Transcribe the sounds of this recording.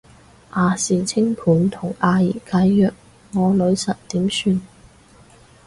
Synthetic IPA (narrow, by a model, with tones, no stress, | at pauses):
ʔaː˨˧siː˨t͡sʰɪ˥ŋpʰuː˨˥nt̪ʰʊ˨˩ŋaː˧jiː˨˩kaː˨˧˥jːœː˨k̚ | ŋɔː˨˧lɵ˨˧ɥsɐ˨t̚t̪iː˨˥msyː˧n